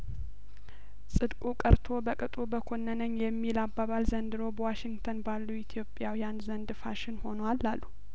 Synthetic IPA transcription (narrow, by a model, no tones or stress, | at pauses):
sʼɨd̪kʼukʼəɾt̪ʰo̞bəkʼɨt̪ʼubəkʰo̞nːənəɲjɛmːilabːaβalzənd̪ɨɾo̞bəwaʃɪŋɡt̪ʰənbalːuit̪ʰjo̞pʼjawijanzənd̪ɨfaʃɪnho̞nwalːalːu